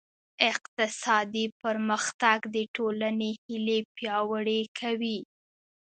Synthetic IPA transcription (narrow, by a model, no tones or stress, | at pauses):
ɪqt̪ɪsɑd̪ipəɾməxt̪aɡd̪əʈolanehɪlepjɑwəɽekʰawi